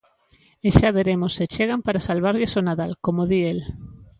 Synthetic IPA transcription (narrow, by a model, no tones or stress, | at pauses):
eʃaβeɾemoset͡ʃeɣ̞ampaɾasalβ̞aɾʎɪsonaðalkomoðiel